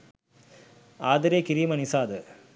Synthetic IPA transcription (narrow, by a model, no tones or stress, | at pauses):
aːðɐɾeːkɪɾiːmɐnɪsaːðɯ